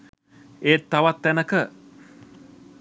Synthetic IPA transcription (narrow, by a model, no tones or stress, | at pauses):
et̪ːaʋat̪ːænəkə